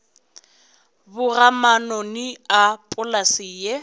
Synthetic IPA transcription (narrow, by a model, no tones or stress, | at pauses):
bʊramanɔniapʼʊlasije